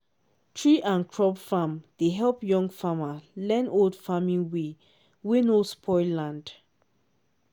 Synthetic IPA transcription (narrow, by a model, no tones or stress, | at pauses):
tʰɹiʔãnkʰɹɔbfamd̥eɦɛlpjɔ̃ŋɡfamalɛ̃noldfamĩnwe | winospʰɔlãnd